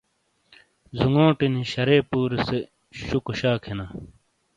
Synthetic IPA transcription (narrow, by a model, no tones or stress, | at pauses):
zuŋɡõːʈiniɕɐɾeːpuːɾise | ɕukoɕaːkʰenaː